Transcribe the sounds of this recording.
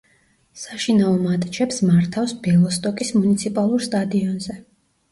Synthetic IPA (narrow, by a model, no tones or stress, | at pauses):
saʃinaɔmat̪ʼt͡ʃʰɛpsmaɾt̪ʰafsbɛlˠɔst̪ʼɔkʼismunit̪sʰipʼalˠuɾst̪ʼad̪iɔnzɛ